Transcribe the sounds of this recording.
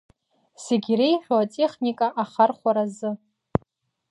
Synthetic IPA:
seɡʲirejħᶣoatʼeχnikʼaʔaχarχʷaɾazɨ

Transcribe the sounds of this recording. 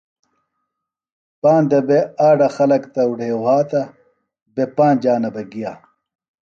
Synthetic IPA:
paːnd̪ɐbeaːɖɐxɐlɐkt̪ɐuɽʱeːwaːt̪ɐ | bepaːnd͡ʑaːnɐbɐɡijaː

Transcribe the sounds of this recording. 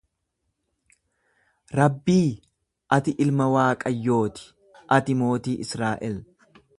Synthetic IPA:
ɾɐbːiː | ʔɐt̪ɪʔɪlmɐwaːkʼɐjːo̞ːt̪ɪ̥ | ʔɐt̪ɪmo̞ːt̪iːʔɪsɾaːʔɛl

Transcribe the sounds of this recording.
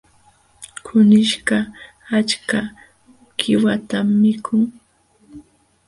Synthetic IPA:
kʰʊnɪʃɢa | at͡ʃka | kʰɪwat̪amːɪkʰʊŋ

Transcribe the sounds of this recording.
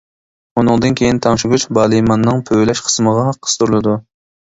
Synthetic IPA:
unɨŋd̪ɨnkʲʰejɪnt̪ʰɑŋʃuɡut͡ʃbɑːlˠɨjmɑnːɨŋpʰøwlɛʃqʰə̥sməʁɑɦɑqʰːə̥st̪uɾulˠɨd̪u

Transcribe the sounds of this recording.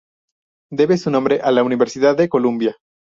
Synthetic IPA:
d̪e̞βe̞sunõmbɾeʔalauniβeɾsiðaðːeko̞lumbja

